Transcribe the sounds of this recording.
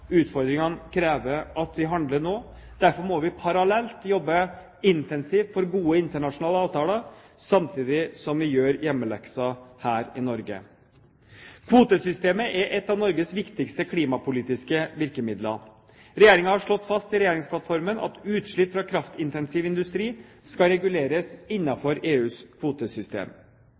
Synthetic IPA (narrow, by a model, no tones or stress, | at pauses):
ʉːt̪fɔɾd̪ɾɪŋɑnkʰɾeːʋəɾʔɑt̪ʋɪɦɑnd̪ləɳoː | d̪̥æɾfɔɾmɔʋɪpʰɑɾɑlɛlt̪jɔbːə | ɪnt̪ɛnsiːft̪fɔɾɡuːəɪnt̪əɳɑʂʊnɑːləɑːʋt̪ʰɑːləɾ | sɑmt̪ʰiːd̪ɪsɔmʋɪjøːɾjɛmːəlɛ̰ksɑhæːɾɪnɔɾɡə̰ | kʰʋuːt̪əsʏst̪eːməʔɛʔɛt̪ːɑʋnɔɾɡəsʋɪkt̪ɪkst̪əkʰliːmɑpʊliːt̪ɪskəʋɪɾkəmɪd̪lə | ɾɛjeːɾɪŋɑhɑʂɭɔt̪ːfɑst̪ɪɾɛjeːɾɪŋspʰlɑt̪fɔɾmənɑ̰t̪ʉːt̪ʂɭʏpfɾɑkʰɾɑft̪ɪnt̪ɛnsiːʋɪnd̪ʉst̪ɾiː | skɑɾɛɡʉleːɾəsɪnːɑfɔɾeːʉːskʰʋuːt̪əsʏst̪ḛːm